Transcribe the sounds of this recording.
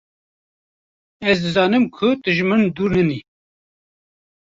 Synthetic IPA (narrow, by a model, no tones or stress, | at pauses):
ɛzd̪ɨzɑːnɨmkʰʊd̪ɨʒmɨnd̪uːɾnɨni